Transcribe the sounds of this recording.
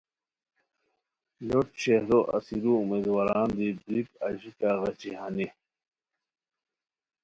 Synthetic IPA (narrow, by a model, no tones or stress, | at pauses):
loʈɕeɾoʔɐ̰siɾuumeːd̪waːɾaːnd̪ibɾikɐʑikaɣɐt͡ɕiɦani